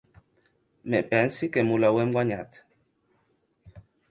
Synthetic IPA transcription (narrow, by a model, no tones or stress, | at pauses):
mɛpɛn̩sikɛmulawɛmɡwaɲat